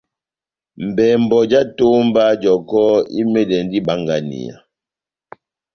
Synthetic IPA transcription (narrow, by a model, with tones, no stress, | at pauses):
m̩˨bɛː˨m˨bɔ˨d͡ʒa˦to˦m˦ba˦d͡ʒɔ˨kɔ˦ḭ˦mɛ˦dɛ˨n˦di˦ba˦ŋɡa˦nḭ˨a̰˨